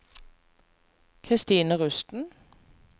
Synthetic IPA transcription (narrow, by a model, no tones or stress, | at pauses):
kʰʁɪst̪iːnəʁʉst̪n̩